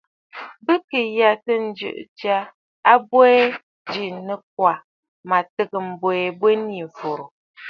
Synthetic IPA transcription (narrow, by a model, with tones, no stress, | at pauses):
bə˦kə˨ja˦tə˦n̩˦d͡ʒɨ̰˨ʔt͡ʃa˦ | a˦bwɛ˦ | d͡ʒi˨nə˨k̚wa˨ | ma˨tə˦ɡə˨m̩˨bwɛ˨ɛ˨bwe˦ni˨ɱ˨fo˨ɾo˨